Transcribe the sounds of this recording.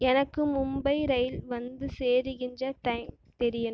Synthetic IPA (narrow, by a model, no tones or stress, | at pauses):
ɛnɐkːɯmʊmbɐɪɾɐjɪlʋɐnd̪ɯseːɾɯɣɪndrɐʈɐɪm | t̪ɛɾɪjɐn